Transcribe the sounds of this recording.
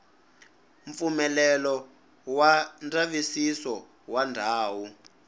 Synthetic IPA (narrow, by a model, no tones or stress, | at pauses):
ɱp̪fumɛlɛlɔ | wand͡zaβisisɔ | wandʱaːwu